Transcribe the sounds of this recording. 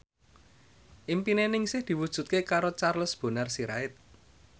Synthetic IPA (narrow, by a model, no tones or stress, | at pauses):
ʔimpinenɪŋsɪhd̪̥i̤wud̥ʒ̥ṳt̪̚kekaɾot͡ʃarlʊsb̥o̤nərsiɾa̰ɪt̪̚